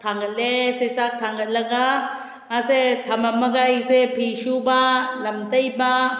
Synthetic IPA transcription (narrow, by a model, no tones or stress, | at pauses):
t̪ʰaŋɡəleset͡sat̪ʰaŋɡələɡa | aset̪ʰamaməɡajsepʰiʃubaləmt̪əjba